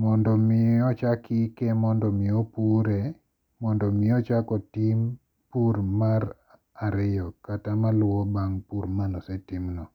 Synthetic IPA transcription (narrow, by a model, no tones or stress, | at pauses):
mɔndɔmɪɔt͡ʃakʰikɛmɔndɔmɪɔpuɾe | mɔndɔmɪɔt͡ʃakɔtim | puɾmaɾ | aɾɪjɔkatamalwɔbaŋpuɾmanɔsɛtimnɔ